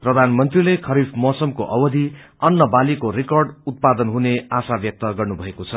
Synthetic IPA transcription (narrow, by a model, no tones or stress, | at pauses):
prʌd̪ʱanmʌnt̪rilekʰʌɾifʰmʌsʌmkoʔʌwʌd̪ʱi | ʌnːʌbalikorikʌrɖut̪̚pad̪ʌnɦuneasabjʌk̚t̪ʌɡʌrnubʱʌekot͡sʰʌ